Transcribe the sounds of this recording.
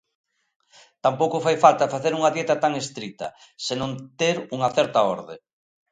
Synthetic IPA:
t̪ampowkʊfajfalt̪ɐfaθeɾuŋɐðjɛt̪ɐt̪aŋest̪ɾit̪ɐ̰ | senõnt̪eɾuŋɐθɛɾt̪ɐɔ̰ɾðḛ

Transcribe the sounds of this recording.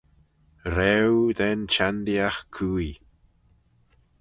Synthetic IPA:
ɾɛwðɛnt͡ʃand̪iaxkʰuːj

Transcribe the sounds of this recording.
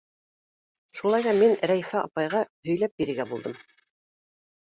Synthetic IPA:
ʃulˠɑjðɑminɾæjifæʔɑpɑjʁɑhɵ̆jlæp̚biɾɘ̆ɾɡæbulˠd̪ɤm

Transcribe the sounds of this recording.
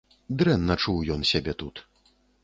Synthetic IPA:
d̪ɾɛnːɐt͡ʂuwjɔnsʲabʲɛt̪ut̪

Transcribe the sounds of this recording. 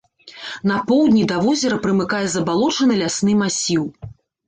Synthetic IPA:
nɐpɔwd̪ʲnʲid̪ɐvɔzʲɛɾɐpɾɨmɨkajɛzɐbalˠɔt͡ʂɐnɨlʲasnɨmasʲiw

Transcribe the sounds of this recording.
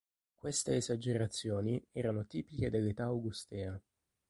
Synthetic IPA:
kwest̪eːzad͡ʒeɾat̪sːjoːniɛːɾanot̪iːpiked̪elːet̪aːwɡust̪ɛːa

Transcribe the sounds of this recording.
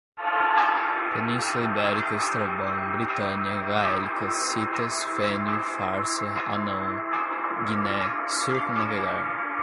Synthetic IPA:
p̪enĩsɐibɛɾikɐist̪ɾɐbɐ̃nbɾit̪ɐ̃niɐɡaɛlikɐsit̪ɐsfɛni | faɾsɐ | ɐnɐ̃ | ɡinɛ | suɾkunɐveɡad̪ʊ

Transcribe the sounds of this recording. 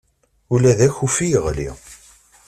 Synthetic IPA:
ʊlæðæçufijəʁlḭ

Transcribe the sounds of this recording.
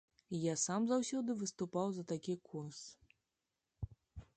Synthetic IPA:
jasamzawsʲɔd̪ɨvɨst̪upawzɐt̪akʲikʰurs

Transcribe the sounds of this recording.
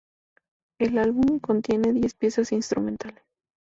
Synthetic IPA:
e̞lalβumko̞nt̪je̞ne̞ðje̞spje̞sasinst̪ɾumẽ̞nt̪ales

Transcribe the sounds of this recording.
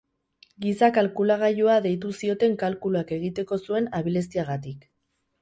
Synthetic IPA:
ɡisakalkulaɣ̞ajuaðe̞jt̪̬usio̞t̪e̞ŋkalkuluake̞ɣ̞it̪e̞ko̞sue̞naβile̞s̬t̪iaɣ̞at̪ik

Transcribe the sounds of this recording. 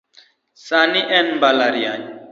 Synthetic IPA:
saniʔɛnbalaɾian

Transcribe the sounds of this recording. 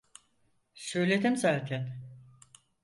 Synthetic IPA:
søːlʲed̪imzaːt̪ʰæn

